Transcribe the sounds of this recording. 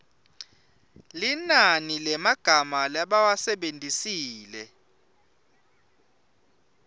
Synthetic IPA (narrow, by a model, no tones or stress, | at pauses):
linanilɛmaɡ̥ʱamalaɓawasɛɓendʱisiːlɛ